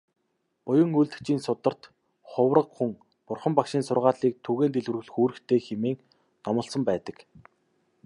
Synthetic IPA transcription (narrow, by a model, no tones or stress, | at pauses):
pʊjə̆ŋuɮt̪ɘ̆kt͡ɕiːnsʊt̪ə̆r̥t̪ | χʊwrə̆qxuŋ | pʊrχə̆mpakʃiːnsʊrʁaːɮiːk̚t̪ʰuɣeːnt̪eɮwɘ̆rɣɘ̆ɮxuːɾɘ̆kt̪ʰeːxemeːŋ | nɔmə̆ɮsə̆mpæːt̪ə̆k